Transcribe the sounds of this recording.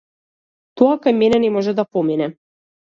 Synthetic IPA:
t̪ɔakajmɛnɛnɛmɔʒɛd̪apɔminɛ

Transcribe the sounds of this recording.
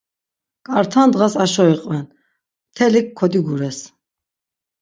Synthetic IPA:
kʼaɾt̪ʰand̪ʁasaʃɔiqʼvɛn | mt̪ʰɛlikʰːɔd̪iɡuɾɛs

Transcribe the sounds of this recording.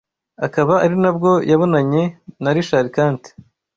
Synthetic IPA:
akaβaaɾinabɡo̞jʔaβo̞naɲe̞naɾiʃaɾikaːnti̥

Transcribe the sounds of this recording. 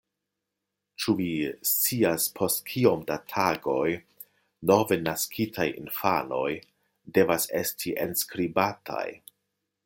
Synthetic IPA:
t͡ʃuvist͡siaspʰo̞stkʰio̞mdatʰaɡo̞j | nove̞naskʰitʰajḭnfano̞j | de̞vasestʰiʔenskɾibatʰa̰j

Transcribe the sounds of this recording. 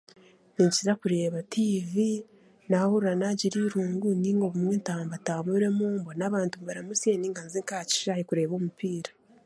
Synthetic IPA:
niɲciɾakuɾe̞ːβatʰiːvi | nahuɾuɾanaɟiɾiɾuːŋɡuniːŋɡo̞βumŋentaːmbataːmuɾe̞muːmbonaβaːntumβaɾamusjeniːŋɡanziŋkaːci̥ʃajikuɾe̞ːβoːmupiːɾḁ

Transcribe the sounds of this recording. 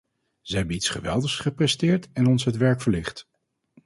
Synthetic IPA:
z̥əɦɛbənitsχəʋɛ̰lˠdəχsχəprɛstɪːɹtɛnɔnsɦətʋɛɹkfəɹlɪχt

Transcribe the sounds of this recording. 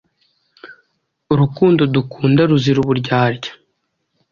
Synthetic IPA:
uɾukuːndodukʰuːndaɾuziɾuβuɾɟaːɾɟḁ

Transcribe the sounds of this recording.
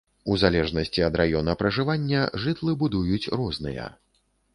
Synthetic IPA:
uzalʲɛʐnɐsʲt͡sʲiɐd̪ɾajɔnɐpɾɐʐɨvanʲːɐʐɨt̪lˠɨbud̪ujut͡sʲrɔznɨ̰jɐ̰

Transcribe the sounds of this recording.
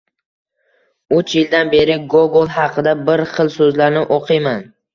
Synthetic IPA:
ʊt͡ʃjɪld̪anbe̞ɾɪɡoɡolˠhɑqʰɨd̪abɪɾχɨlˠsɵzlaɾnɪʔoqʰɨjman

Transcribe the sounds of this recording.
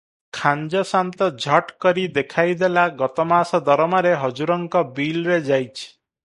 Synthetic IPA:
kʰand͡ʒɔsant̪ɔd͡ʒʱɔʈkɔɾid̪ekʰajd̪elaɡɔt̪ɔmasɔd̪ɔɾɔmaɾeɦɔd͡ʒuɾɔŋkɔbilɾed͡ʒajt͡ʃʰi̥

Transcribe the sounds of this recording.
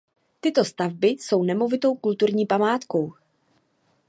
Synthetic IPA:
t̪ɪt̪o̞st̪avbɪso̞wnɛmo̞vɪt̪o̞wkult̪uɾɲiːpamaːt̪ko̞w

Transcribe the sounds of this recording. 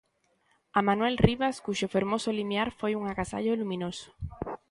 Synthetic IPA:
amãnwelriβaskuʃofeɾmosolimjaɾfojuŋakasa̰ʎolumĩnoso̥

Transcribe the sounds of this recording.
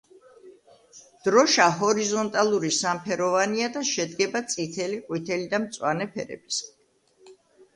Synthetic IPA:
d̪̥ɾɔʃaɦɔɾizɔnt̪ʼalˠuɾisampʰɛɾɔvaniad̪aʃɛd̪ɡɛbat̪sʼit̪ʰɛliqʼwit̪ʰɛlid̪amt̪sʼwanɛpʰɛ̰ɾɛ̰b̥is

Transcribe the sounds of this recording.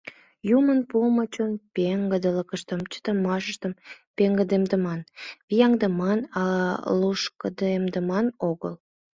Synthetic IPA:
jumənpumət͡ɕonpeŋɡəd̪ələkəʃt̪əmt͡ɕə̥t̪əmɑʃəʃt̪əmpeŋɡəd̪emd̪əmɑnβijɑŋd̪əmɑnɑluʃkəd̪emd̪əmɑnoɣə̰l

